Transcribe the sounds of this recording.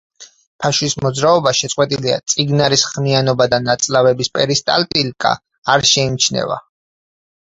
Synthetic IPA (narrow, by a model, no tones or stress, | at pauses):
pʰaʃwismɔd̪zɾaɔbaʃɛt̪sʼqʼwɛt̪ʼilia̰t̪sʼiɡnaɾisχmianɔbad̪anat̪sʼlavɛbispʼɛɾist̪ʼa̰lt̪ʼilkʼa̰ː | ɾʃɛimt͡ʃʰnɛ̰va̰